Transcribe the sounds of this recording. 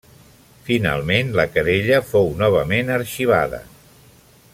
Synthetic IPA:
fina̰lˠmenləkəɾeʎəfownɔβ̞əmenəɾʃiβ̞a̰ðə̰

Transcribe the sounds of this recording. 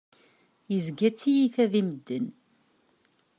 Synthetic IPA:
jəzɡæt͡sːijiθæðiməd̪ːən

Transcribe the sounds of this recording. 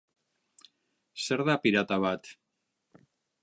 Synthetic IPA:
se̞ɾðapiɾat̪aβat̪

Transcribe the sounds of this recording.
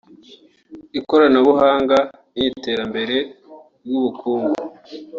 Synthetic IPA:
iko̞ɾanaβuɦaːŋɡa | nite̞ːɾambe̞ɾe̞ | ɾɡuβukʰuːŋɡu

